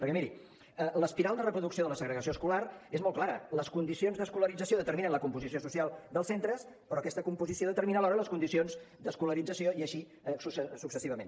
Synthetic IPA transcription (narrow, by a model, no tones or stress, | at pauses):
pəɾkɛmiɾi | ələspiɾalˠd̪ərəpɾuðuksioðələsəɣɾəɣəsioəskularezmɔlˠklaɾə̰ləskund̪isionzðəskuləɾid͡zəsjoðət̪əɾminənləkumpuzisiosusialˠd̪əlˠsent̪ɾəs | pɾɔːkɛst̪əkumpuzisioðət̪əɾminəlɔɾələskund̪isionz | d̪əskuləɾid͡zəsioiəʃi | susəsuksəsiβ̞əmen